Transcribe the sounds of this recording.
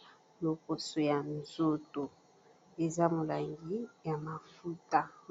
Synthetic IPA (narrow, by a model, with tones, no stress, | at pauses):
lo˨po˨so˨ja˨nzo˦to˨ | e˨za˦mo˨la˨ŋɡi˦ja˨ma˨fu˦ta˦